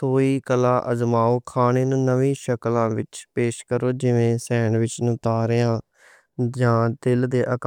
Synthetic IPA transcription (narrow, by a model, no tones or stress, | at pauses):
t̪ʰoːiːkəlãːʔəzmaːoːkʰaːneːnũːnəʋĩːʃəklãːʋɪt͡ʃpeːʃkəɾoːd͡ʒɪʋẽːsɛːɳʋɪt͡ʃnũːt̪aːɾeːãː | d͡ʒãːt̪ɪld̪eːʔək